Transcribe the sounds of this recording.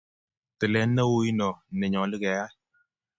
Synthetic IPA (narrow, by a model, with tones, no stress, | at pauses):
tɨ˨lɛ˨˦nːə˦wu˦ji˦nɔ˨nɛ˨ɲɔ˨li˦kɛ˨ja˦